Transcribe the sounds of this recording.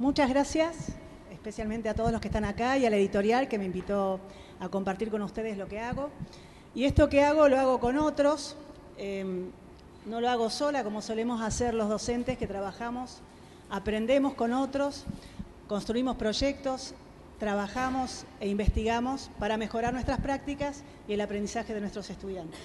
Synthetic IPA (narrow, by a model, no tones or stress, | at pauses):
mut͡ʃazɣɾasjas | espe̞sjalmẽnt̪eat̪oðloskeht̪anakaialaeðit̪o̞ɾjalke̞me̞imbit̪o̞ | ako̞mpaɾt̪iɾko̞nust̪e̞ðeslo̞ke̞aɣo̞ | ie̞st̪o̞keaɣo̞loaɣo̞ko̞no̞t̪ɾo̞s | e | no̞loaɣo̞so̞lako̞mo̞so̞le̞mo̞saseɾlo̞zð̞o̞se̞nt̪esket̪ɾaβaxamo̞s | apɾe̞nd̪e̞mo̞sko̞no̞t̪ɾo̞s | ko̞nst̪ɾuimo̞spɾo̞ʒek̚t̪o̞s | t̪ɾaβ̞axamo̞se̞imbe̞st̪iɣamo̞spaɾame̞xo̞ɾaɾnwest̪ɾaspɾak̚t̪ikas | ie̞lapɾend̪isaxeðenwest̪ɾo̞se̞st̪uð̞jant̪e̥s